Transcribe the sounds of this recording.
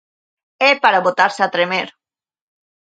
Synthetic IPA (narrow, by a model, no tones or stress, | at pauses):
epaɾaβot̪aɾsat̪ɾemeɾ